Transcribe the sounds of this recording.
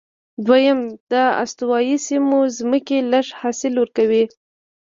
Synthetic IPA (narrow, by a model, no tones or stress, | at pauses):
d̪wajəmd̪̥əa̰st̪uwɑjisimozməkeləʂhɑsɪlwəɾkawi